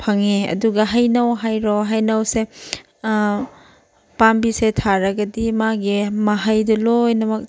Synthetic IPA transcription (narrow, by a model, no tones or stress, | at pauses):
pʰɐŋeɐ̰duɡɐɦɐjnɐwɦajɾɔɦajnɐwse | pambisetʰaɾɐɡɐdimaɡimaɦajdɐlojnɐmɐk̚